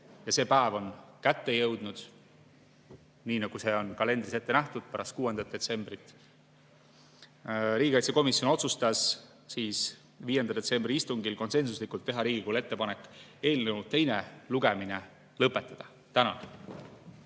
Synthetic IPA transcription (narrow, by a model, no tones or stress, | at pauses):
jɑse̞ːpæevo̞nkæt̪ːe̞jɤwd̪̥nud̪̥ | niːnɑɡ̥use̞o̞nkɑle̞nd̪ɾise̞t̪ːenæht̪ud̪̥̚pæɾɑst̪kuːe̞nd̪ɑt̪̚ːe̞t̪se̞mbrit̪ˑː | ɾiːɡ̥ʲikɑjt̪seko̞misjo̞no̞t̪sust̪ɑs | siːs | viːje̞nd̪ɑd̪ese̞mbriist̪uŋɡilko̞nse̞nsuslikult̪ːe̞ɦɑɾiːɡ̥ikuːlet̪ːe̞pɑnekːˑe̞ːlneult̪ːe̞jne̞luɡ̥e̞mine̞ | lɤpːˑet̪ːˑɑd̪̥ɑ | t̪ænɑ̰